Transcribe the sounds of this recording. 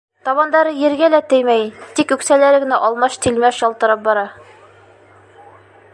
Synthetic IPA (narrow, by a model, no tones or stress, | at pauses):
t̪ɒβɑnd̪ɑɾɤjɘ̆ɾɡælæt̪ɘjmæjt̪ikʉksælæɾɘ̆ɡɘ̆næʔɒlˠmɑʃt̪ilmæɕɒlˠt̪ɤ̆ɾɤp̚bɑɾɑ